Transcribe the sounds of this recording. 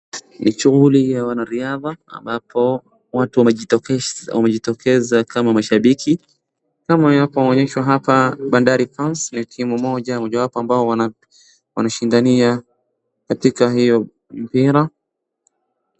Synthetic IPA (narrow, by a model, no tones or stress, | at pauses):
nʔiʃuɣulijawanaɾiaða̰ːmbapʰɔ | watuwɛ | wamɛʄitɔkʰɛzakʰamamaʃaɓikʰi | kamawapɔɔɲɛʃwaɦapaɓandaɾipansnitʰimumɔʄamɔʄawapɔambaɔwaa | wa̰naʃindania | katikaɦijɔ | m̩piɾa